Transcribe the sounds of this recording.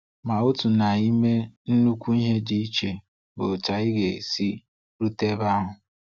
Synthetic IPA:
ma˨o˦tu˨na˨i˦me˦n̩˦nu˦kʷu˦i˦ɦe˦di˦i˦t͡ʃe˨ | bo˨t͡ʃa˨ɪ˦ɡe˨si˦ | ɾu˦te˦ba˦ɦʊ˨

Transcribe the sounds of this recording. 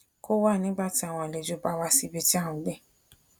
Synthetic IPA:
ko˦wa˦˨nĩ˨˦ɡ͡ba˦˨ti˨˦a˦˨w̃ɔ̃˧a˨le˨˧˨d͡ʒo˦ba˦wa˦si˦bi˧ti˦a˦˨wũ˨˦lɛ˦˨

